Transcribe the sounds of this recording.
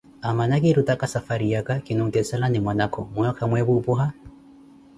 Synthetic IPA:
amanakʼɪɾutakasafaɾijakakɪnɔŋ̩utɛsalanɪmwanakʰɔmʊjɔkʰamwɛbupuɦa

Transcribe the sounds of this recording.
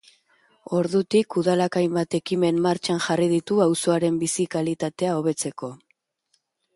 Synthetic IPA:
o̞ɾðut̪ikuðalakajmbat̪e̞kime̞mːaɾt͡ʃanʝariðit̪uawso̞aɾe̞mbisikalit̪at̪e̞ao̞β̞e̞t͡se̞ko̞

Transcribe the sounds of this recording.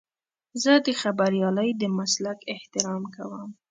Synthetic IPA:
zəd̪əxabaɾijɑləjd̪əmaslakɪht̪ɪɾɑmkawəm

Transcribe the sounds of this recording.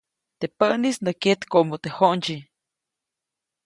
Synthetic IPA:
t̪epənisnəket̪komot̪ehont͡ʃi

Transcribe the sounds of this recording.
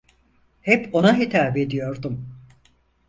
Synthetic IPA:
hɛpo̞naɦit̪ʰaːbed̪ijo̞ɾd̪um

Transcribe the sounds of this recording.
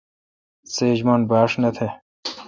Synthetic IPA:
seːd͡ʑmonbaːʂnɐt̪ʰe

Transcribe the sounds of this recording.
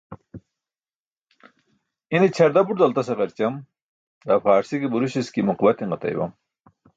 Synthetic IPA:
init͡ɕʰɐɾd̪ɐbuʈd̪ɐlt̪ɐsɐʁɐɾt͡ɕɐm | d̪afaːɾsikibuɾuɕiskimuqbɐt̪iŋɢɐt̪ɐ̰jbɐ̰m

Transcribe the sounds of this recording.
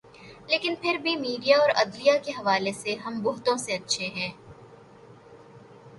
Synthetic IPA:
leːkɪnpʰɪɾbʱimiːɖijaɔːɾɐ̰d̪lijakeɦɐʋaːleseɦɐmbʊɦt̪õseɐtːʃʰeɦɛ̃ː

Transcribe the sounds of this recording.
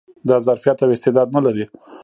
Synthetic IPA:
d̪ɑzaɾfijɑt̪awɪst̪ɪd̪ɑd̪̚nalaɾi

